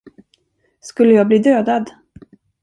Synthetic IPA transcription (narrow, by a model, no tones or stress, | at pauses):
skɵlːəjɑːɡ̚bliːd̪øːd̪ad̪